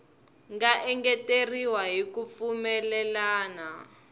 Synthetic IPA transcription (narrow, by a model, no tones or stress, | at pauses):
ŋɡaʔɛŋɡɛteriwaɦikup̪fumɛlɛlaːna